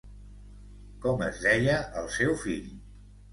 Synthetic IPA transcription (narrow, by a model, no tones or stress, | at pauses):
kɔməzðɛjəʔəlˠsɛwfiʎ